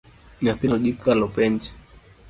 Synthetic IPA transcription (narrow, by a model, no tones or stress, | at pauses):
napiɔʄikalɔpɛnd͡ʒɛ̥